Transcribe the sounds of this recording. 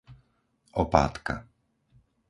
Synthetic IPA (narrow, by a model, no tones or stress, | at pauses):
ʔɔpa̰ːt̪ka̰